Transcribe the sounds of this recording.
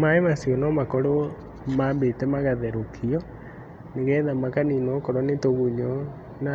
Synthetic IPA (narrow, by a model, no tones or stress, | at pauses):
maemasjɔnɔmakɔɾo | maːmbetɛmaɣaðɛɾokʰiɔ | neɣɛːðamakaninɔkɔɾɔnetoɣuɲɔ | na